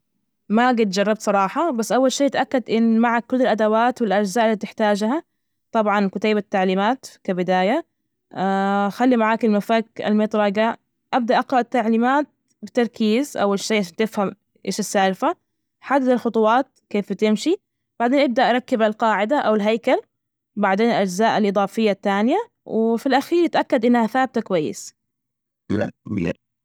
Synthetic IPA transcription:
maɡɪt̪d͡ʒɑrˤːɑb̚t̪sˤɑɾˤɑːħɑbasːʔawːalʃiːʔɪt̪ʔakːad̪ʔɪnːmaʕakːʊlːɪlʔad̪awaːt̪wɪlʔad͡ʒzaːʔɪlːit̪ɪħt̪aːd͡ʒha | t̪ˤɑbʕɑnkʊt̪aːbat̪ːaʕliːmaːt̪kabɪd̪aːja | axalːimaʕaːkɪlmafaka̰lmɪt̪ˤɾˤɑɡa | ʔab̚d̪aʔɑqɾɑʔt̪ːaʕliːmaːt̪̚ | bɪt̪ɑɾˤkʰiːzʔa̰wːalʃajːʕaʃaːnt̪ɪfham | ʔḛːʃɪsːaːlfa | ħaːd̪ːaθalxʊt̪ˤʊwɑːt̪̚keːfbt̪ɪmʃi | b̥aʕd̪eːnʔɪb̚d̪aʔɑɾˤɑkːɪbalqɑːʕɪd̪aʔawɪlɦajkal | baʕd̪eːnɪlʔad͡ʒzaːʔalʔɨd̪ˤɑːfɪjːat̪ːaːnɪja | wɪfilʔaxiːɾt̪ʔakːad̪ʔɪnːhaθaːb̚t̪akwajːɪ̰s | a̰mḭːɾ

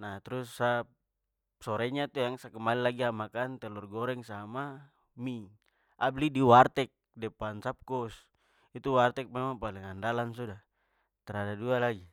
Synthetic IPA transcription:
nat̪ɾusːap | sɔɾɛɲat̪ujaŋsakɛmalilaɡiamakant̪ɛlɔrɡɔɾɛŋsama | mi | ablidiwart̪ɛk̚dɛpansap̚kɔs | it̪uwart̪ɛk̚mɛmaŋpaliŋandalansuda | t̪ɛɾadadualaɡi

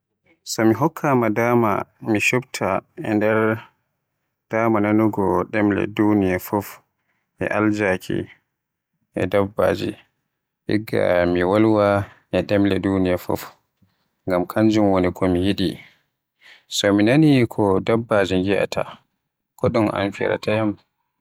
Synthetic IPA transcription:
sɔmiɦɔkʰːamadaːma̰miʃubtʰaɛ̰ndɛɾ | d̥aːmananuɡɔɗɛmlɛ̰dunijafɔf | ʔɛ̰ʔald͡ʒakʰḭ | ʔɛ̰dabːa̰d͡ʒḭ | ʔḭɡːa̰miwalwa | ʔɛɗɛmlɛdunijafɔ̰f | ŋɡamkʰaɲd͡ʒumwɔnikʰɔmijiɗi | sɔminanikʰɔdabːad͡ʒiŋɡiʔa̰tʰa̰ | kɔɗumʔa̰nfiɾa̰tajam

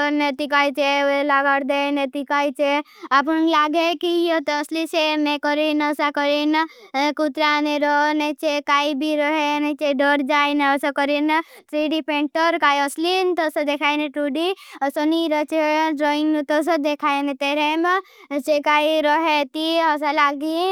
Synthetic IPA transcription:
net̪ikajt͡ʃeoelaɡaɽd̪enet̪ikajt͡ʃe | ap̬unlaɡekiɔt̪ːslit͡ʃemekɔɾinəsakɔɾinkut̪ɾaneɾɔnet͡ʃʰekaibʱiɾɔɦenet͡ʃeɖɔɾd͡ʒajneəsɔkɔɾintɾiɖipeɳʈəɾkaːjɔslint̪ɔsəd̪ekʰajneʈuɖiəsɔniɾət͡ʃeɖɾoiŋɡnt̪ɔs̬ɔd̪ekʰaenet̪eɾeme | t͡ʃekaːiɾɔɦet̪iɔsalaɡi

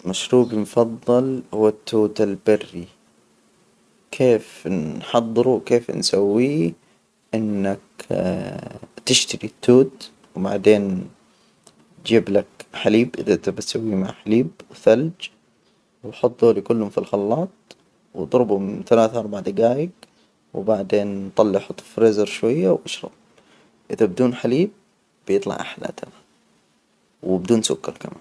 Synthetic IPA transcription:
maʃɾuːbimfɑðˤːɑlhʊwːat̪ːuːt̪albɪrːi | kʰeːfħɑðˤːɨɾuwkeːfnsawːi | ʔɪnːak | t̪ɪʃt̪aɾit̪ːuːt̪ | wma̰ʕd̪eːn | d͡ʒiːblakħaliːbʔɪðat̪abɪt̪sawːima̰ʕħaliːb̚wθald͡ʒ | wħɑt̪ˤːulikʊlːhʊmfilxɑlːɑːt̪̚ˤ | wd̪ˤɾbʊmθalaːθʔɑɾˤbaʕd̪ɪɡaːjɪɡ | wbaʕd̪eːnt̪ˤɑlːiʔħʊt̪ˤːfɾeːzɑɾʃwajːawʔaʃɾˤɑ̰b̚ | ʔɪðabɪd̪uːnħaliːb̥̚ː | jɨt̪ˤlɑ̰ʕʔa̰ħla̰t̪ʰa̰na | wbɪd̪uːnsʊ̰kːɑɾˤkama̰ːn

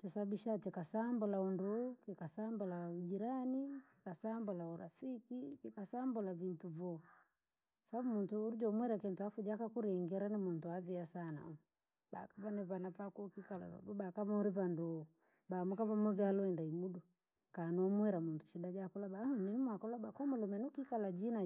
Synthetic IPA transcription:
t͡ʃasabiʃat͡ʃɛkasambɔlaɔndɔkikasambɔlaud͡ʒiɾaniki̥kasambɔlauɾa̰fikikikasambɔlavintuvɔ | sababumuntuɾud͡ʒɔmwɛɾakɛntuafud͡ʒakakuɾɛŋɡɛɾanimuntuaviasana̰ɔ | ba̰kaβanɛβanapakukikala̰βa̰ɗuɓakaβaɔɾiβandɔ | bamukaβamɔvjalɔɛndaimuɗu | kanɔmwɛɾamuntu̥ʃidad͡ʒakɔlaɓanɛnimwakɔlaɓakɔmɔlɔmɛnukikalad͡ʒina

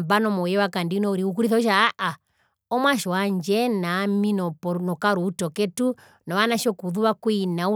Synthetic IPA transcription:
mbanɔmɔjɛwakandinɔuɾiuk̬uɾiθɔʃaːʔa | ɔmwaʃɔaɲd͡ʒɛnaminɔpɔnɔkaɾuːtɔkɛtu | nɔwanaʃɔkuðuwakwinau

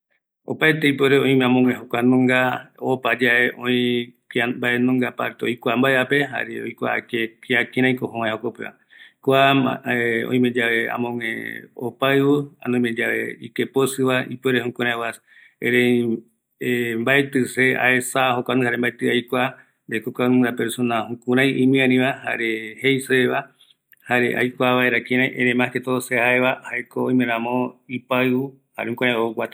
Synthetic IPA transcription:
opaet̪eip̬eɾeõĩmeãmõŋẽɦokʷanõŋɡaopad͡ʒaeʔõĩkambaenõŋɡapaɾt̪eojkʷambaeape̞ɦa̰ɾeo̰jkʷa̰kekiakẽɾãĩkoɦõwãẽokopeʔa̰ | kʷa | õ̰ĩmed͡ʒaʋeã̰mõŋḛ̃o̰paɨwua̰nõĩmẽd͡ʒaβḛikeposɨβaipeɾehũkʷãɾ̃ãewas | eɾẽ | embaet̪ɨsea̰esaɦokʷanɨ̃haɾembaet̪ɨajkʷa | nd̪ekokanɨd̪apeɾsonahũkũɾ̃ãj̃ʔĩmĩãnĩβaha̰ɾehejseβa | haɾḛʔa̰jkʷaβaeɾakĩɾ̃ãj̃ʔẽɾẽmãket̪osehaeβahaekooj̃mẽɾãmõipau | haɾehũkũɾãjoɡʷat̪a

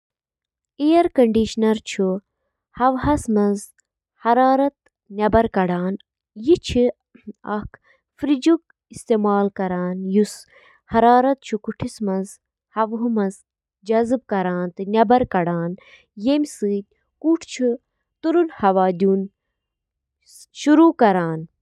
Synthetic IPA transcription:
ejɐɾkɐɳɖiʃnɐɾt͡ʃʰu | hɐʋɦɐsmɐnz | hɐɾaːɾɐt̪̚ | nʲɐbɐɾkɐɽaːn | jit͡ʃʰi | ɐ̰kʰ | fɾid͡ʒuk | ist̪eːmaːlkɐɾaːnjus | hɐɾaːɾɐt̪̚t͡ʃʰukuʈʰismɐnz | hɐʋɦumɐz | d͡ʒɐzɨb̚kɐɾaːnt̪ɨnʲɐbɐɾkɐɽaːn | jemʲsɨːt̪̚ʲ | kuːʈʰt͡ʃʰu | t̪uɾunhɐʋaːd̪ʲuːn | ʃuɾuːkɐɾaːn

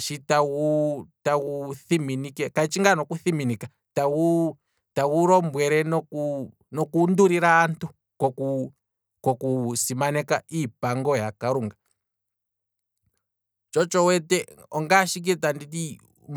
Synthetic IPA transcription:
ʃitawutawuθiminikɛkait͡ʃiŋɡanɔkuθiminika | tau | tawuɾɔmbwɛɾɛnɔku | nɔkunduɾiɾaːntʰu | kɔku | kɔkusimanɛkaipaŋɡɔjakaɾuŋɡa | t͡ʃɔt͡ʃɔwɛtɛɔŋɡaʃik̬itanditi

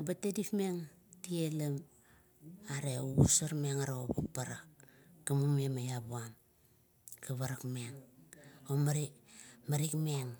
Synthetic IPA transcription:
batedipmeŋ | tielam | aɾeuusaɾmeŋaɾaobupaɾakː | amumemajabuam | kaβaɾakmeŋ | omaɾimaɾikmeŋ

